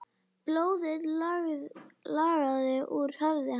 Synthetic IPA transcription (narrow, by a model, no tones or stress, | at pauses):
ploːwðɪð | laɾaðɪʔuɾ̥hœvðɪ